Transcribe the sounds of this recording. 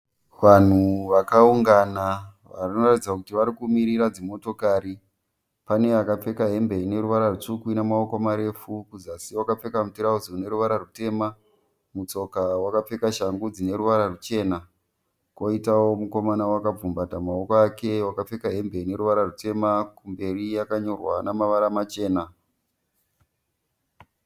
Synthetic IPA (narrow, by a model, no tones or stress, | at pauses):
ʋan̤uʋakauŋɡanaʋarino̞ratid͡zakutiʋaɾikumiɾiɾad͡zimo̞to̞kaɾi | pane̞akap͡fe̞kaɦe̞mbe̞ine̞ɾuʋaɾarut͡ʂukuinamaokomaɾe̞fukuzasiwakap͡fe̞kamutiɾauziune̞ɾuʋaɾarute̞ːma | mut͡so̞kawakap͡fe̞kaʃaŋɡud͡zine̞ɾuʋaɾarut͡ʃe̞ːna | kwoitawo̞muko̞manawakab͡vumbatamaokoake̞wakap͡fe̞kaɦe̞mbe̞ine̞ɾuʋaɾarute̞makumbe̞rijakaɲo̞rwanamaʋaɾamat͡ʃe̞ːna